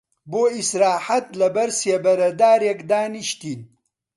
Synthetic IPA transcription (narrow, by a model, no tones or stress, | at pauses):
boːisɾaːħat̪lɐbɐɾsebɐɾɐd̪aːɾjɐkd̪aːniʃt̪in